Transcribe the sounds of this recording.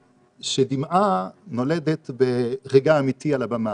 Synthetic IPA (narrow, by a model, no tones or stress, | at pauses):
ʃedimʔano̞le̞det̪beʁeɡaːmitialabama